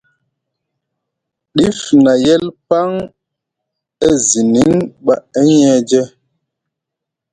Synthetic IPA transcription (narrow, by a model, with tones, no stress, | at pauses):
ɗi˦fna˨jɛ˦lpa˦ŋ | ɛ˦zi˨ni˨˦ŋɓa˨ɛ˦ɲɛ˦d͡ʒɛ˦